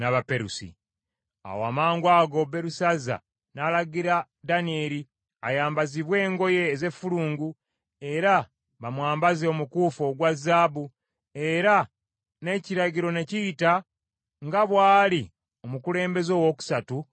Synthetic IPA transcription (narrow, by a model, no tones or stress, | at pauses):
naβapeɾusḭ | a̰woa̰maːŋɡwaːɡo̞be̞ɾusaza̰ | nalaɡiɾa | danieɾi | ajaːmbaziβwe̞ːŋɡo̞je̞ːze̞fuluːŋɡu | e̞ɾa | βamwaːmbazeo̞mukuːfo̞ɡwazaːbu | e̞ɾa | ne̞ciɾaɟiɾo̞ne̞ciːta | ŋɡaβwaːli | o̞mukule̞ːmbe̞zo̞ːwo̞ku̥satu